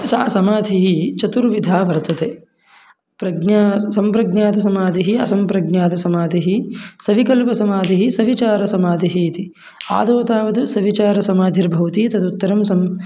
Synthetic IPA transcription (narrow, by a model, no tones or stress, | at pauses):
saːsɐmaːd̪ʱiɦit͡ʃɐt̪uɾʋid̪ʱaːʋɐɾt̪ɐt̪eː | pɾɐɡnaːsɐmpɾɐɡɲaːt̪ɐs̬ɐmaːd̪ʱiɦiɐsɐmpɾɐɡnjaːt̪ɐsɐmaːd̪ʱiɦisɐʋikɐlpɐsɐmaːd̪ʱiɦisɐʋit͡ʃaːɾɐsɐmaːd̪ʱiɦiːt̪i | a̰ːd̪oːt̪aːʋɐd̪usɐʋit͡ʃaːɾɐsɐmaːd̪ʱiɾbʱɐʋɐt̪iːt̪ɐd̪ut̪ːɐɾɐmsɐm